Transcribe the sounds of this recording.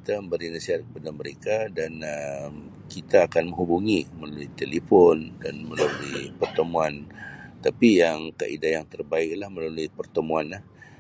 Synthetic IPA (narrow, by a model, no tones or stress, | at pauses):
kit̪aməmbəɾinasiɦat̪̚kə̥padaməɾekadanəm | kit̪aːkanmə̃ŋɦubuŋiməlaluit̪elifɔndanməlaluipərt̪əmuant̪apijaŋka̰ʔḭdajaŋt̪ərbaɪk̚lahməlaluipərt̪əmuanlah